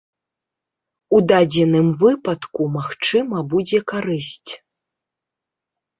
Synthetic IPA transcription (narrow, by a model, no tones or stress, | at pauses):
ud̪ad͡zʲɛnɨmvɨpɐt̪kumaxt͡ʂɨmɐbud͡zʲɛkaɾɨsʲt͡sʲ